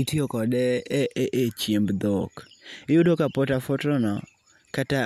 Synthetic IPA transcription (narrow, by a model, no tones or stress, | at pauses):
itiokɔdɛɛeʔet͡ʃjembd̪okɪjʊdokapotafotɔnɔ | kata